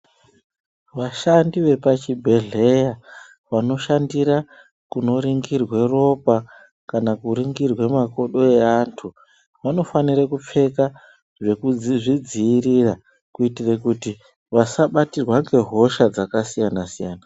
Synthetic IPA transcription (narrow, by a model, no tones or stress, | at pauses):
ʋaʃandiʋe̞pat͡ʃibʱe̞ɮe̞ja | ʋano̞ʃandiɾa | kuno̞ɾiŋɡirwe̞ro̞pa | kanakuɾiŋɡirwe̞mako̞ɗo̞e̞aːntʰu | ʋano̞faniɾekup͡fe̞ka | ʐeʐid͡ziːrira | kuitirekuti | ʋasaɓatirwaŋɡe̞ɦo̞ʃad͡zakasijanasijaːna